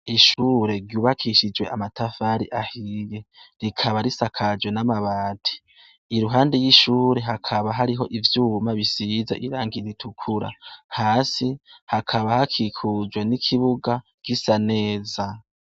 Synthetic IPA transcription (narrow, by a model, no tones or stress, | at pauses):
iʃuːɾe̞ɾɟuːβakʰiʃid͡ʒwe̞ʔamatʰafaːɾiʔahije̞ɾikʰaβaɾisakʰad͡ʒwe̞namaβaːtʰi̥ | iɾuɦaːndejiʃuːɾe̞ɦakʰaβaɦaɾiɦo̞ʔivjuːmaβisizeʔiɾaːŋɡiɾitʰukʰuɾa̰haːsihakʰaβahakʰikʰud͡ʒwe̞nikʰiβuɡa | kisane̞ːza